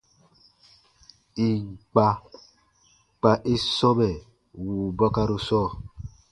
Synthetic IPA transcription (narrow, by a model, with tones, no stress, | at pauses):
i˨k͡pa˨ | k͡pa˨ʔe˦sɔ˦bɛ˨ | wu˨bɔ˦ka˦ɾu˨sɔ˦˨